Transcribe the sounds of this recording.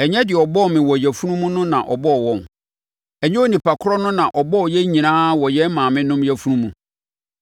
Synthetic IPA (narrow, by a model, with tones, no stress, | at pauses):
ɛ˨ɲɛ̃˦dɪ˨ɔ˨bɔ˦˨mɪ̃˨wɔ˨jɛ˨fu˦nũ˦mũ˦nʊ̃˦nã̰˨ʔɔ˨bɔ˦ɔ˨wɔ̃˨m | ɛ˨ɲɛ̃˦o˦nĩ˨pʰa˨kʰʊ˦ɾɔ˦nʊ̃˦nã˨ʔɔ˨bɔ˦ɔ˨jɛ˦ɲĩ˨nãː˦wɔ˨jɛ˦mãː˨mɪ̃˦nʊ̃˦mjɛ˦fu˦nũ˦mũ˨